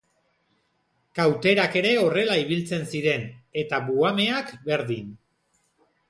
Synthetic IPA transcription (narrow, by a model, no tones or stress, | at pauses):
kawt̪e̞ɾake̞ɾe̞o̞re̞laiβ̞ilt͡se̞nsiɾe̞ne̞t̪aβuame̞akbe̞ɾðin